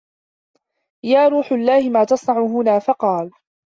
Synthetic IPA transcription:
jaːɾˤuːħʊlːaːhɪmaːt̪ɑsˤnɑʕʊɦʊnaːfɑqɑːl

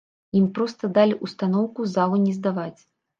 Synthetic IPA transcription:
impɾɔst̪ɐd̪alʲiʔust̪anɔwkuzalˠɐnʲɛzd̪avat͡sʲ

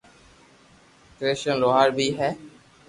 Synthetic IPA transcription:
kɾeːʃənloːaːɾbʱiːɦɛː

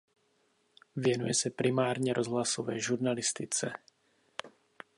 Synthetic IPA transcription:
vjɛnṵjɛsɛpɾimaːɾɲɛɾʔozɦlasovɛːʒuɾnalɪst̪ɪt͡sɛ

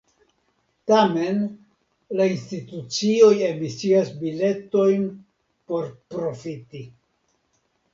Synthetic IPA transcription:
tame̞n | lainstitut͡sio̞je̞misiasbile̞to̞jn | po̞ɾpɾo̞fiti

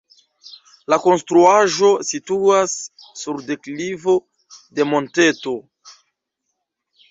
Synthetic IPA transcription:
lako̞nstɾuaʒo̞situasː | uɾde̞klivo̞ | de̞mo̞nte̞to̞

